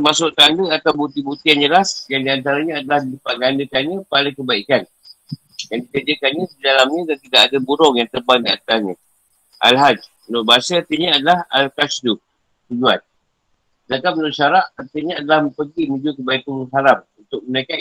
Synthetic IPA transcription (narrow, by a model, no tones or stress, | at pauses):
masʊʔt̪anduat̪awbut̪ibut̪ijand͡ʒəlasjaŋdiant̪aɾaɲãadalahdidəpaʔɡandəkanɲãpaliŋkəbaikan | jaŋdikərd͡ʒəkanɲə̃sədalamɲə̃dant̪idaʔadabuɾɔŋjaŋt̪ərbaŋdia̰nt̪aɲã | ʔa̰lɦad͡ʒ | nɔrbaasaart̪iɲəadalaha̰lkasdu | t̪ud͡ʒuan | dakam̚nɔʃaɾaʔərt̪iɲaadalahpəɡinũd͡ʒukəbaikanuɦaɾamunt̪ʊk̚mənaka